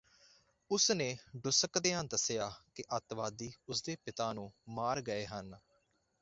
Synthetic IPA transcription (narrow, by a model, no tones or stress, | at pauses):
ʊsnẽːɖʊsəkd̪eːə̃nd̪əsejaːkɪʔət̪ʋaːd̪iːʊsd̪eːpɪt̪ãːnũːmaːɾɡəeːɦən